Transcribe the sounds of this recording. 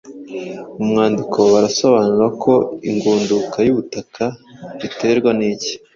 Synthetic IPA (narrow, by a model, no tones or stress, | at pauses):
mumŋaːndikʰo̞βaɾaso̞βaːnuɾakʰo̞iŋɡuːndukajuβutakʰaβite̞ɾɡwaniːci̥